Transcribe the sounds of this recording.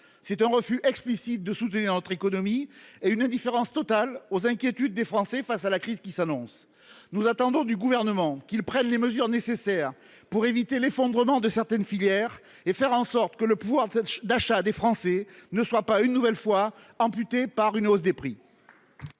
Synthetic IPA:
sɛt̪ɛ̃ʁəfyʔɛksplisit̪̚d̪əsut̪niʁnɔt̪χekɔnɔmieynɛ̃d̪ifeʁɑ̃st̪ɔt̪alozɛ̃kʲjet̪yd̪̚ːefχɑ̃sɛfasalakχizkʲisanɔ̃s | nuzat̪ɑ̃d̪ɔ̃d̪yɡuvɛʁnəmɑ̃kilpχɛnleməzyʁnesesɛʁ | puʁevit̪elefɔ̃d̪ʁəmɑ̃d̪əsɛʁt̪ɛnfiljɛʁ | efɛʁɑ̃sɔʁt̪kələpuvwaʁd̪aʃad̪efχɑ̃sɛnəswapaynːuvɛlfwa | ɑ̃pyt̪epaʁynɔzd̪epχi

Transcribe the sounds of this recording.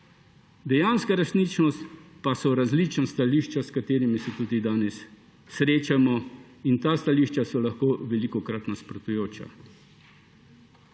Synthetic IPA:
d̪ɛjanskaɾɛsnit͡ʃnɔst̪pasɔɾazliːt͡ʃnast̪aliːʃt͡ʃaskat̪eːɾimisɛt̪uːd̪id̪aːnɛsː | ɾeːt͡ʃamɔ | int̪aːst̪aliːʃt͡ʃasɔlaxkoːʋɛlikɔkɾat̪naspɾɔt̪ujoːt͡ʃa̰

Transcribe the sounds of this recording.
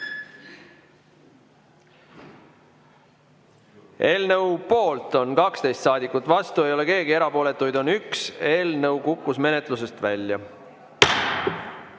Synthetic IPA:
e̞ːlnɤwpo̞ːlt̪o̞nkɑkst̪e̞jst̪sɑːd̪ikːˑut̪ːˑvɑst̪ue̞jo̞le̞ke̞ːɡie̞ɾɑpo̞ːle̞t̪ːˑujd̪o̞nykse̞ːlnɤwkukːˑusme̞ne̞t̪ˑluse̞st̪vælʲjɑ

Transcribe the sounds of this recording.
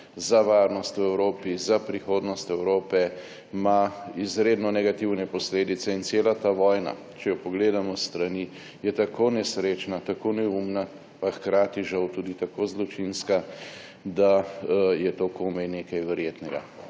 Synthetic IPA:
zaʋaːɾnɔst̪uɛwɾoːpizapɾixoːd̪nɔst̪ɛwɾoːpɛ | maizɾeːd̪nɔnɛɡat̪iwnɛpɔsleːd̪it̪sɛint̪seːlat̪aʋɔjna̰ | t͡ʃɛjɔpɔɡleːd̪amɔst̪ɾani | jɛt̪akonɛsɾeːt͡ʃnat̪akonɛumna | paxkɾaːt̪iʒawt̪uːd̪it̪akozlɔt͡ʃinska | d̪ajɛt̪okomɛjneːkajʋɛɾjeːt̪nɛɡa̰

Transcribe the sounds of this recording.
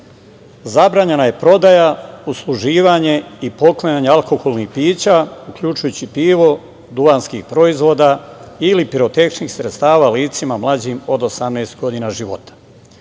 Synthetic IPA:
zabɾaːɲe̞naje̞pɾo̞d̪ajauslˠuʒiːʋaɲe̞ipo̞klˠaɲaɲealˠko̞xolˠnixpiːt͡ɕaukʎut͡ʃujut͡ɕipiːʋo̞ | d̪uanskixpɾo̞izʋo̞ːd̪ailipiɾot̪ekʃnixsɾet̪st̪aːʋaːliːt̪simamlˠad͡ʑimo̞d̪o̞samneːst̪ɡo̞d̪iːnaʒiʋo̞t̪ḁ

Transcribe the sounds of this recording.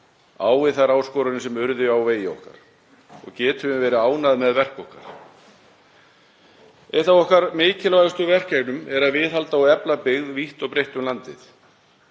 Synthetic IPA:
aːwvɪθaɾaːwskɔːɾʏnɪsɛmʏɾðɪawveːjɪɔ̰hka̰ɾ̥ | ɔ̰ɣcɛːt̪ʏɪvɛːɾɪaːwnaðmɛðvɛr̥kɔhka̰ɾ̥ | ɛjht̪awɔhkaɾmeːcɪlvajɣʏst̪ʏvɛr̥caɣnʏmɛɾaðvɪðɦalt̪aawɛplapɪɣðviht̪ɔɣpɾejht̪ʏmlant̪ɪθ

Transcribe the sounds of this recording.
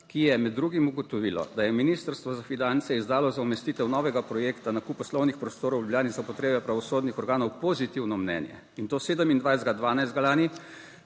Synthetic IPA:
kijɛmɛd̪ːɾuːɡimuɡɔt̪ɔʋiːlɔ̰d̪ajɛminiːst̪əɾst̪ʋɔzafinant̪sɛizd̪aːlɔzaumɛst̪it̪ɛwnɔʋɛɡapɾɔjeːkt̪anakupːɔslɔwnixpɾɔst̪oːɾɔwljubljaːnizaupɔt̪ɾeːbɛpɾaʋɔsoːd̪nixɔɾɡaːnɔwpɔzit̪iwnɔmnɛ̰njɛ̰ | int̪oːseːd̪əmind̪ʋajzd̪ɡad̪ʋaːnajzd̪ɡalaːni

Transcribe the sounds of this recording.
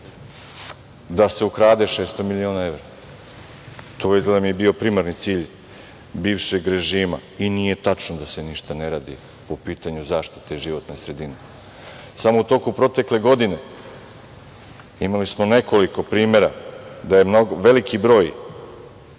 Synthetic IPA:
d̪ase̞ukɾaːd̪e̞ʃeːst̪o̞milʲioːnae̞ʋɾa | t̪ʰojizlemjebio̞pɾimaɾnit̪siːʎ | biːʋʃe̞ɡɾe̞ʒiːmainije̞t̪at͡ʃnod̪ase̞niʃt̪ane̞ɾaːd̪ḭ | popiːt̪aɲuzaːʃt̪i̥t̪eiʒiʋo̞t̪nosɾe̞d̪ine | samout̪o̞kupɾo̞t̪e̞kle̞ɡo̞d̪ine̞ | imalismo̞ne̞ko̞liko̞pɾiːme̞ɾad̪aje̞mnoɡʋe̞likʰibɾo̞ːj

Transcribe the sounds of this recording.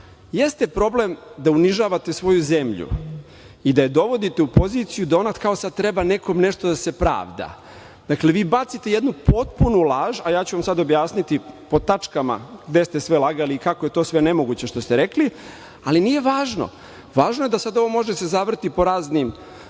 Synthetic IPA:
je̞st̪e̞pɾo̞blemd̪auniʒaːʋat̪e̞sʋo̞juzemʎṵ | id̪ajed̪o̞ʋo̞d̪it̪eupo̞ziːt̪sijud̪ao̞nat̪kao̞sad̪̚t̪ɾe̞bane̞ko̞mne̞ʂt̪od̪ase̞pɾa̰ːʋd̪a̰ | d̪̥akleʋiːbat̪sit̪e̞jed̪nupʰo̞t̪punulˠaːʒajaːt͡ɕuʋamsad̪objaːsnit̪ipo̞t̪at͡ʃkama̰ɡd̪e̞st̪esʋelˠaɡaliːkakoje̞t̪o̞ːsʋe̞nemo̞ɡut͡ɕe̞ʃt̪o̞st̪eɾekli | alinije̞ʋaːʒno̰ | ʋaːʒnoje̞d̪asad̪o̞ʋo̞mo̞ʒed̪asezaʋr̩t̪ipoɾaːznim

